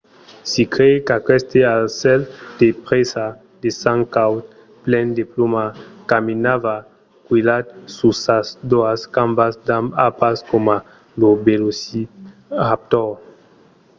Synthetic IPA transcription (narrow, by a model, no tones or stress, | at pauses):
sikɾekakɛst̪ealsɛld̪̥epʁesa | d̪esaŋkawt̪ | plɛnd̪eplomakaminava | kwuilat̪susasd̪oaskambasd̪amapaskoma | lobelosi | ap̚t̪ɔʁ